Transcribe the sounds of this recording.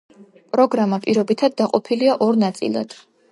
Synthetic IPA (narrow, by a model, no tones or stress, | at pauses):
pʼɾɔɡɾamapʼiɾɔbit̪ʰad̪ːaqʼɔpʰiliaʔɔɾnat̪sʼḭlˠa̰d̪̥